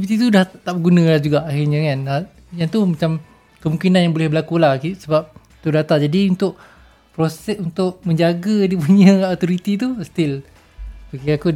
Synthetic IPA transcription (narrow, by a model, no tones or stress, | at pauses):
ipit̪it̪̬udaht̪aʔbəɡunə̃lad͡ʒuɡaʔaxirɲakana | jaŋt̪umat͡ʃam | kəmũŋkinanjaŋbolɛhbəlakulahkisəbap̚ | t̪udat̪ad͡ʒadiunt̪ʊʔ | pɾosɛsunt̪ʊʔmə̃ɲd͡ʒaɡədipuɲə̃at̪oɾit̪it̪ust̪ɪl | bakiaku